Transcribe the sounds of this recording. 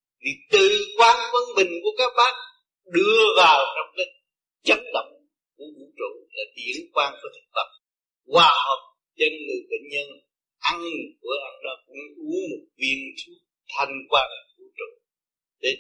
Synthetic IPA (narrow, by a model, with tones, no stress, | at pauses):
vi˨˩t̪ɨ˨kwaː˧nvə˧nɓï˨˩ŋ̟ku˧˩əkaː˦˥k̚ɓaː˦˥n̚ | ɗɨ˧əvaː˨˩wt͡ɕɔ˧wŋ͡mkaː˨˦ | zə˦˥t̚ɗə̰˧˨wŋ͡m | ku˧˩˦əɓu˧˩˦t͡ɕo̰˧˨la˨˩t̪i˨˦ə˦nkwaː˧nku˧˦t̪ʰɨ̥˨˩k̚tə˨˩m̚ | kwaː˧˩hə˨˩wk͡p̚ | t͡ɕə˧nlɨ̰˨˩ɓḛ˧˨ŋ̟ɲə˧n | ʔa˧n˨vu˧˩˦əʔa˧˩nzaː˧˩ku˧˩˦nʔu˨˦mo˨˩t̚vi˧ənt͡ɕ̪ʰu˧˨˦ | t̪ʰa˧jŋkwaː˧na˨˩vṵ˧˩˦t͡ɕo̰˧˨ | ɗe˨˦